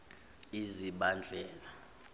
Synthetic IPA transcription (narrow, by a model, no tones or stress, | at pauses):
iziɓand͡ɮʱɛːla